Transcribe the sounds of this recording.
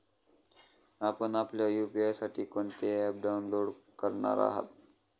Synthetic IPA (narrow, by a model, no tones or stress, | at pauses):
apənapljajupiajsaʈʰiːkont̪eɛp̚ɖawnloɽkəɾɳa̰ɾa̰ɦə̰t̪̚